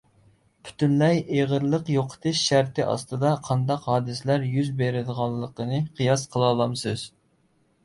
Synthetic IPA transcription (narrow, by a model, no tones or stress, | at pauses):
pʰy̥t̪ʰynlɛjeʁəɾlˠəqjoqʰə̥t̪ʰɨʃːæɾt̪ʰɪʔɑ̰st̪ɨd̪ɑqʰːɑnd̪ɑqɦɑːd̪ɨslæɾjyzbeɾɪd̪əʁɑlˠːəqənɨqʰɨjɑsqʰəlˠɑːlˠɑmsɨz̥